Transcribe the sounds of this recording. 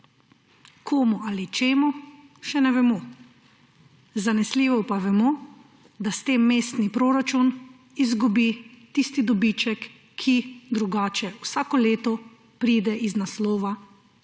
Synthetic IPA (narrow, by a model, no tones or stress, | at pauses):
kʰoːmualit͡ʃeːmuʃɛnɛʋɛmɔ | zanɛsliːʋɔpaʋɛmo | d̪ast̪emːeːst̪nipɾoːɾat͡ʃun | izɡubit̪ist̪id̪ɔbit͡ʃɛkʰː | id̪ɾuɡaːt͡ʃɛwsaːkɔleːt̪ɔ | pɾiːd̪ɛʔiznaslɔːʋa